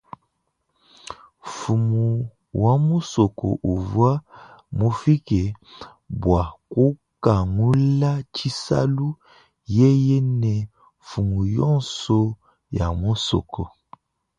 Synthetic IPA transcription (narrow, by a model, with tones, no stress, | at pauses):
fu˨mu˨ | wa˦mu˦sɔ˨kɔ̰˨ʔu˨vwa˦mo˦fi˦kɛ˨ | bwa˨ko˦ | ka˨ŋu˦la˦t͡ʃi˦sa̰˦lu˦ | jɛ˦jɛ˦nɛ˨ | fu˨mu˨jɔ˦˨nsɔ˦ | ja˨mo˦sɔ̰˨kʰɔ˨